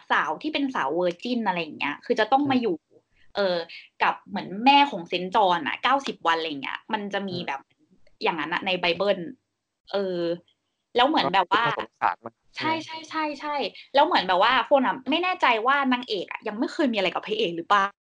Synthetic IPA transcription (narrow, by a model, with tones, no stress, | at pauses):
saː˩˦wt̪ʰiː˥˩pe˧nsaː˩˦wwɤː˧t͡ɕi˥˩nʔa˧ɾa˧jːa˨˩ŋːni˦˥ɐkʰɯː˧t͡ɕa˨˩t̪ɔ˥˩ŋmaː˧juː˨˩ | ʔɤː˧ka˨˩p̚mɯ˩˦ənmɛː˥˩kʰɔː˩˦ŋse˨˦˥nt͡ɕɔː˧nʔa̰˨˩kaː˥˩wsi˨˩p̚wa˧nla˧jːŋnḭ˦˥ɐma˧nt͡ɕa˨˩ʔmiː˧bɛː˨˩p̚n | jaː˨˩ŋːa˦nʔa̰˨˩na˧jba˧jbɤː˥˩n | ʔɤː˧ | lɛː˦˥wmɯ˨˩˦ənbɛː˨˩p̚waː˥˨˦a̰ː˨˩t | t͡ɕʰa˥˩jt͡ɕʰa˥˩jt͡ɕʰa˥˩jt͡ɕʰa˥˩jlɛː˦˥wmɯ˩˦ənbɛː˨˩waː˥˩kʰo˧nʔa˨˩ma˥˩jnɛː˥˩t͡ɕa˧jwaː˥˩naː˧ŋʔeː˨˩k̚ʔa̰˨˩ja˧ŋma˥˩jkʰxʰɤː˧jmiː˧ʔa˧la˧jka˨˩pʰa˧ʔeː˨˩k̚lɯː˩˦˥plaː˨˩